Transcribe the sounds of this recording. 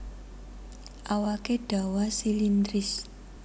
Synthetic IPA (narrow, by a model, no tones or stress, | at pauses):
ʔawakeɖ̥a̤wasilind̪ɾɪs